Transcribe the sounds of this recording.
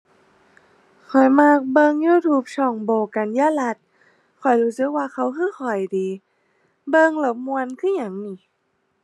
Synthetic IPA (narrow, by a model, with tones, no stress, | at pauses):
kʰɔ˨˩jmaː˧˨k̚bɤ˧ŋjuː˧˩˨t̪ʰuː˧˦p̚sʰɔ˧˩ŋboː˨˩ka˨njaː˧˨la˧˥t̪̚ | kʰɔ˨˩jhuː˨˦sɯ˧˦k̚waː˧xʰa˧˥˩wkʰɯː˧˥˨xʰɔ˨˩jdiː˨˦ | bɤ˧ŋlɤ˧˦w̚mu˧ə˧nkʰɯ˧˥˨ɲa˧˩ŋmiː˧˩˦